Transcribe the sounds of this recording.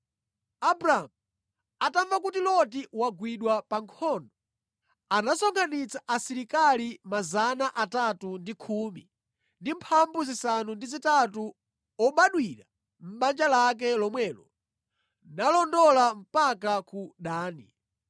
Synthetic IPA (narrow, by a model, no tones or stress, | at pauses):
abɾamu | ataɱvakutilɔtiwaɡwiɗwapaŋkʰɔndɔ | anasɔŋkʰanit͡saʔasiɾikalimazanaʔatatundikʰuːmi | ndimpʰambuzisanundizitatu | ɔɓaɗwiɾa | m̩ɓand͡ʒalak̬ɛlɔmwɛːlɔ | nalɔndɔlam̩pakakuɗaːni